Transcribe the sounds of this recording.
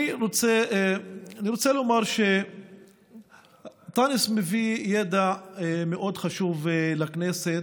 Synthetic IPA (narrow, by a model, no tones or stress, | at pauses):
iʁot͡se | aniɾot͡selomaʁʃe | t̪anismevijed̪ameʔo̞d̪χaʃuvlakneset